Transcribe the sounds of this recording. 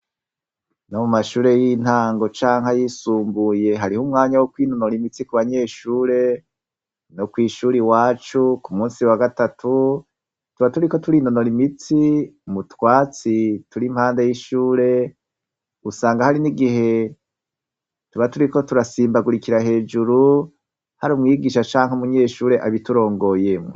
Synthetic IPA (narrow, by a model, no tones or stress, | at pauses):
nomumaʃuːɾe̞jin̥haːŋɡo̞t͡ʃaːŋhajiːsuːmbuje̞ɦaɾihumŋaːɲawokwiːno̞no̞ɾimit͡sikuβaɲe̞ːʃuːɾe̞ | nokwiːʃuːɾiwaːt͡ʃukumuːnsiwaɡatatʰu | tuβatuɾiko̞tuɾino̞no̞ɾimit͡simutwaːt͡situɾim̥haːnde̞jiʃuːɾe̞ | usaːŋɡahaɾiniɡiɦe̞ | tuβatuɾiko̞tuɾasiːmbaɡuɾikiɾaɦe̞ːd͡ʒuɾu | haɾumŋiːɡiʃat͡ʃaːŋhumuɲe̞ːʃuːɾe̞ʔaβituɾo̞ːŋɡo̞jemŋo̰